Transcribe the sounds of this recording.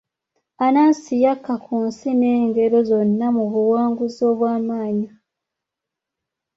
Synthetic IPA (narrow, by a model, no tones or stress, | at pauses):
anaːnsijakːakʰunsine̞ːŋɡe̞ɾo̞zo̞nːamuβuwaːŋɡuzo̞ːβwaːmaːɲa